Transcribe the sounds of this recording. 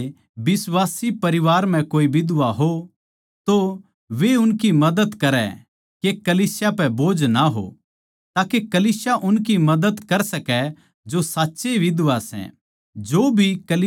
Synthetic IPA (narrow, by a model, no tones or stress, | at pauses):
bɪsʋaːsipɐɾɪʋaːɾm̤ɛ̃koːiʋɪd̪ʊʋaɦo | t̪o | ʋeʊnkimɐd̪əd̪kɐɾɛ̰ | kekɐliːsjapɛboːd͡ʒnaɦo̰ | t̪aːkekɐliːsjaʔʊnkimɐd̪əd̪kɐɾsɐkɛ | d͡ʒosaːtːʃeʋɪd̪ʊʋasɛ̰̃ | d͡ʒoːbʱikɐl